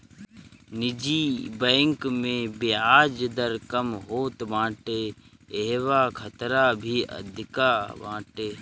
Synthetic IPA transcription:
nɪd͡ʒiːbəːŋkmẽːbeːaːd͡ʒd̪əɾkəmɦoːt̪ʋãːʈeː | eɦʋaːkʰət̪ɾaːbʱiːə̰d̪ʱɪkaʋã̰ːʈeː

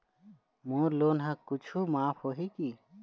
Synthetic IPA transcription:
moːɾloːnɦãkʊt͡ʃʰumaːpʰhoːɦikiː

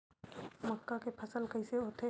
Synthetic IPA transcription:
məkːakepʰɐsəlkɐɪseɦoːt̪e

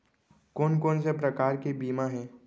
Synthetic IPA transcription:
koːnkoːnsepɾɐkaːɾkibiːmaɦɛː

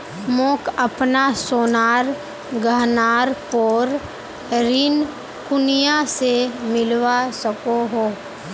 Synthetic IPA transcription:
mõːkəpnasoːnaːɾ | ɡʱəɦnaːɾpoːɾ | ɾɪn | kʊnijasemɪlwasəkoɦoː

